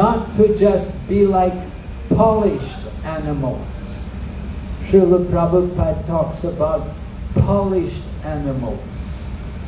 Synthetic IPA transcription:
nɔt̚kʰɨd͡ʒʌst̚b̥ilaɪk | pʰɑlɪʃt | ænɨml̩ˠ | z̥ | tʰɹuðəpʰɹ̥ɑvəpʰatʰɔksəbaʊt̚ | pʰɑlˠɪʃt | ænɨməl̩ˠz̥

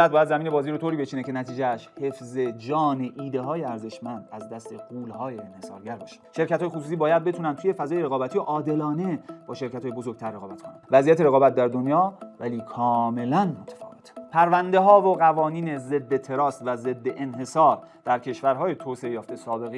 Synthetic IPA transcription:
æt̪̚bɒːjæd̪zæmiːne̞bɒːziːɾot̪oɾiːbe̞t͡ʃʰiːnece̞næt̪ʰiːd͡ʒeʃhefze̞d͡ʒɒːneʔiːd̪e̞ɦɒːjeæɾze̞ʃmænd̪æzd̪æst̪ʰe̞ɣ̥uːlhɒːjeenhe̞sɒ̰ːɾɟæɾbɒːʃæ̥nʃe̞ɾcʰæt̪hɒjeosuːsiːbɒːjæd̪̚be̞t̪ʰuːnænt̪ʰuːje̞fæzɒːjeɾeɣɒːbæt̪ʰijoʔɒːd̪e̞lɒːne̞b̥ɒːʃe̞ɾkæt̪ʰɔːje̞bo̞zo̞ɾɡ̚t̪ʰæɾːeɣɒːbæt̪kʰonævæzijæt̪eɾeɣɒːbæt̪̚d̪æɾd̪o̞njɒːvæliːkʰɒːme̞lænmot̪ʰːefɒ̰ːɣet̪ʰpʰæɾvænd̪e̞ɦɒːvoɣævɒːniːneze̞d̪ːet̪ʰe̞ɾɒːst̪væze̞d̪ːeʔenɦe̞sɒːɾ | d̪̥æɾcʰe̞ʃvæɾɦɒːjet̪ʰoːseejɒːft̪esɒːbe̞ɣe

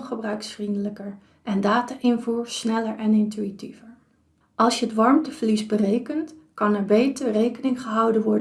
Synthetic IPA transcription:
χəbrœɥksfrindələkəɹ | ʔɛndaːtaːʔɪnvuːɹsnɛləɹɛnɪntyitivəɹ | ʔɑlˠsjəətʋɑɹmtəv̥əlisbərejkəntkɑnɛɹbejtəɹrejkənɪŋχəɦʌwdənʋɔɹd

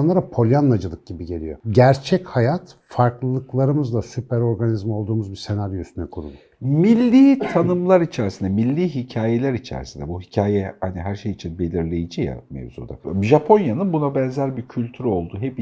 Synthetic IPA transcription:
anlˠaɾapʰo̞lʲjanːad͡ʒɯlˠɯk̚ɟ̥ibiɟe̞lʲijo̞̰ɟæɾt͡ʃʰɛchajat̪faɾklˠɯlˠɯklˠaɾɯmɯzlˠasypæɾo̞ɾɡanizmio̞lˠd̪uːmuzbiɾse̞naɾjoyst̪ʰynɛkʰuɾṵlˠu | milʲːiːt̪ʰanɯmlˠaɾit͡ʃʰæɾisind̪ɛmilʲːiːɦicʰaːje̞lʲæɾit͡ʃʰɛ̰ɾisind̪ɛbuɦicʰaːjɛhaniɦæɾʃejit͡ʃʰinbe̞lʲiɾlʲe̞jid͡ʒija̰mḛvzṵd̪aʒapʰo̞njanɯnbunabɛnzæɾʲbicʰylʲt̪ʰyɾo̞lˠd̪uɦɛp

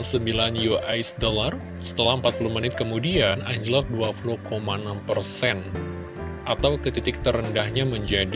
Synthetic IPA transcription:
səmbilanjuʔajsdolar | sə̥t̪əlahəmpat̪̚puluhmənɪt̪̚kəmudianaɲd͡ʒəlɔk̚duapuluhkomanampərsɛn | ʔat̪awkət̪it̪ɪk̚t̪ərəndahɲaməɲd͡ʒadi

